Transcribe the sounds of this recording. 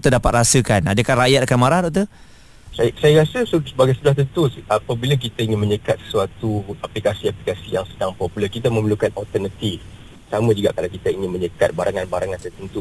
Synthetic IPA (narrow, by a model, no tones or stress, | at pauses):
t̪ədapat̪̚rasəkanadəkarajat̪̚kanmaɾahdɔʔ̚t̪u | sasajaɾasəsəsəbaɡajsədaht̪̬ənt̪uʔapabilak̬it̪aiŋɪnmə̃ɲəkat̪̚sə̥suat̪uaplikasiaplikasijaŋsədaŋpɔpuləkit̪amə̃məlukanɔlt̪ənət̪if | samə̃d͡ʒuɡaʔkalawkit̪aiŋɪnməɲəkat̪̚baɾʔaŋanbaɾaŋant̪ərt̪ənt̪u